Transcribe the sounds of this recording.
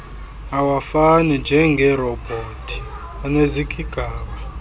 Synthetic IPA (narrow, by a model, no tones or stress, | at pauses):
awafanind͡ʒʱɛŋɡʱɛrɔb̥ʱotʰi̥ | anezikʼiɡ̥ʱaːɓa